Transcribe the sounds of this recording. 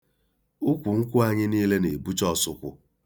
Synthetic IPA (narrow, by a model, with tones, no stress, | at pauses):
u˦kʷu˨ŋ̩˦kʷʊ˦a˦ɲɪ˦niː˦le˦ne˨bu˦t͡ʃɔ˦sʊ˦kʷʊ˦